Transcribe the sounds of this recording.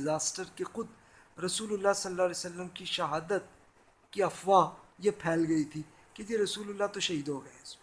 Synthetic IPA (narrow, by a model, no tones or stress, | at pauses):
zaːsʈəɾkexʊd̪ | ɾɐsuːlʊlːasɐlːaːlesɐlːəmkiʃɐɦaːd̪ət̪̚ | kiɐfʋajepʰɛːlɡɐit̪ʰi | ked͡ʒeɾɐsuːlʊlːat̪oʃɐɦiːd̪ɦoːɡɐes